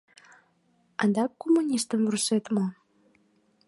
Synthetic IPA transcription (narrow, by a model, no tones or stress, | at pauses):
ɑnd̪ɑkːomːunʲist̪əmvruset̪mo